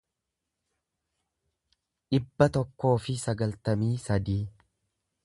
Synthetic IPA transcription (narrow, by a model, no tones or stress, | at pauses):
ᶑɪbːɐt̪ɔkːo̞ːfɪsɐɡɐlt̪ɐmiːsɐd̪iː